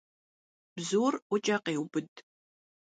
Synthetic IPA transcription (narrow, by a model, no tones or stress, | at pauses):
b̥zuːrʷɔt͡ʃʼɐqeːwbɨd